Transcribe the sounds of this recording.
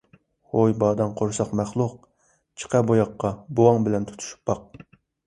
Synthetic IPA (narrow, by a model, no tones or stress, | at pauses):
hojbɑːd̪ɑŋqʰoɾsɑqmæχlˠʊq̚ | t͡ʃʰə̥qɛbojɑqːɑbowɑŋbɪlɛnt̪ʰu̥t̪ʰu̥ʃu̥pːɑq̚